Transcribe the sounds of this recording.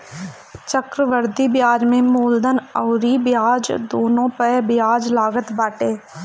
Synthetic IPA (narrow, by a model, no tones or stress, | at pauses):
t͡ʃəkɾəʋəɾd̪ibɪjaːɾmẽmoːld̪ənəʊɾibɪjaːd͡ʒd̪oːnõpəbɪjaːd͡ʒlaːɡət̪baːʈeː